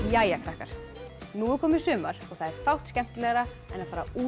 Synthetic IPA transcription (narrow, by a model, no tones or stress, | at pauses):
jajakʰɾahkaɾ̥ | nuːʏkʰɔːmɪɾ̥sʏːmaɾ̥ɔɣθaðɛɾ̥fawht̪scɛm̥t̪ɪlɛɣɾa | ɛnaðfaːɾa̰u